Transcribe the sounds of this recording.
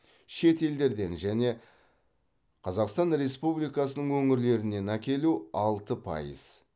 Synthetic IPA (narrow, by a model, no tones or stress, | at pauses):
ʃe̞t̪e̞ld̪e̞ɾd̪e̞nʒæne̞ | qʰɑzɑqst̪ɑnɾe̞spublijkɑsənəɴwɵŋɪɾle̞ɾɪne̞nækʲe̞luɑlˠt̪əpʰɑ̰jə̰z̥